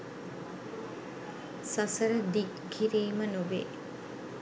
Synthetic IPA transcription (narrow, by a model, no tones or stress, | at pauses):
sɐsɐɾɐd̪ik | ɡʱiɾiːmɐnubḛː